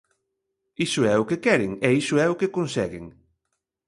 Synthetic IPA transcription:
isʊɛʊkekɛɾeŋɛisʊɛʊkekonsɛ̰ɣḛŋ

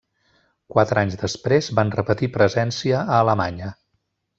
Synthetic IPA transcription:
kwat̪ɾaɲzðəspɾezbanrəpət̪ipɾəzɛnsiəəːləmaɲə

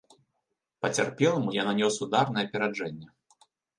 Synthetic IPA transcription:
pɐt͡sʲa̰rpʲɛlˠɐmujananʲɔsud̪arnɐjɛɐpʲɛɾad͡ʐɛnʲːɛ

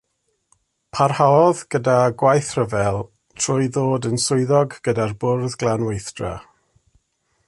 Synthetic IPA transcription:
pʰarhaɔðɡ̥ədaɡwajθr̥əvɛlˠ | tʰr̥ʊɨðoːdənsʊɨðɔɡɡ̥ədarbʊrðɡlˠanwejθd̥ra̰

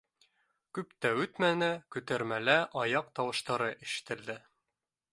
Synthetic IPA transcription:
kʉpt̪æʉt̪mænɘkʉt̪æɾmælæʔɑjɑq̚t̪ɑwɤ̆ʃt̪ɑɾɤʔɘ̆ʃɘ̥̆t̪ɘ̆ld̪ɘ

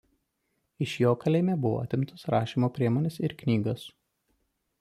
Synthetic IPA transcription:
ɪʃjoːkɐlʲɛɪmʲɛbʊʋo̰ːɐ̰t̪ʲɪmt̪ʰɐsɾɑːʃʲiːmoːpʲɾʲiɛmoːnʲɛsɪɾknʲiːɡɐs

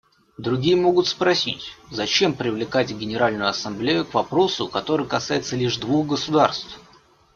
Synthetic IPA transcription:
d̪ɾʊɡʲijəmo̞ɡʊt̪spɾɐsʲḭtʲzɐt͡ɕe̞mpɾʲɪvlʲɪkatʲɡʲɪnʲɪɾalʲnʊjʊɐsɐmblʲejʊkvɐpɾo̞sʊkɐt̪o̞ɾɨjkɐsajɪt̪səlʲiʐd̪vuxɡəsʊd̪arst̪f

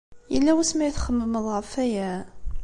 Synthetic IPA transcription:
jəlːæwæsmæjθχəmːəməðˤʁəɾfæjæ

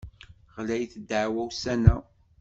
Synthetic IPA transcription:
ʁlæjθəd̪əʕwæwsænæ

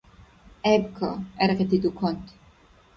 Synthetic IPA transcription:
ɛbkʰɔ̰ɛɾʁɛt̪ʰid̪ukʰɔnt̪ʰ

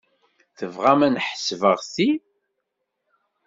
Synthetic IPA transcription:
θəvʁæmænħəsvəʁθi

